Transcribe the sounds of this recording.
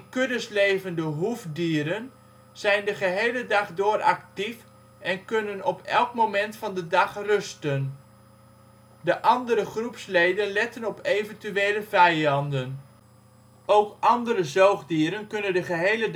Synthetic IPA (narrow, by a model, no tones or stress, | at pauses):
kødəslejvəndəɦuvdiːɾən | z̥ɛjndəχəɦejlədɑχdʊːrɑ̰k̚tif | ʔɛnkɵnənɔpʰɛ̰lˠkmomɛntfɑndədɑχrɵstən | dəʔɑndəɾəχrupslejdənlɛtənɔpejvəntyejləvɛjɑndən | ʔowkʔɑndəɾəzowχdiːɾənkɵnəndəχəɦejlə